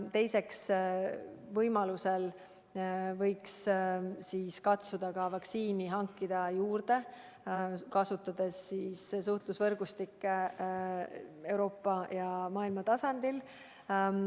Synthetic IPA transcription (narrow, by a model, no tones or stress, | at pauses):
t̪e̞jse̞ks | vɤjmɑluse̞l | vɤjkssiːskɑt̪sud̪̥ɑkɑvɑksiːniɦɑŋkːid̪̥ɑjuːrd̪̥e̞ | kɑsut̪ːˑɑd̪̥e̞sːiːssuht̪lusvɤrɡ̥ust̪ikːe | e̞wɾo̞ːpːˑɑjɑmɑːilmɑt̪ɑsɑnd̪̥il